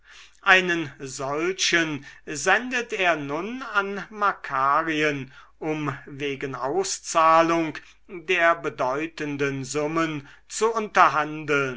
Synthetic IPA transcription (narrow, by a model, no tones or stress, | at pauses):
ʔaɪnənzɔlɕənzɛndəteːɐnʊnanmakʰaːʁiən | ʔʊmveːɡənaʊst͡saːlʊŋk | deːɐbədɔʏtəndənzʊmən | t͡suʊntɐɦandəl̩n